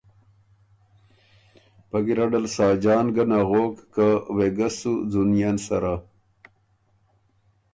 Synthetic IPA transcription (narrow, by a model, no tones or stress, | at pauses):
paɡiɾaɖalsɑːd͡ʒɑːnɡanaɣoːkːaweɡasud͡zunjansaɾa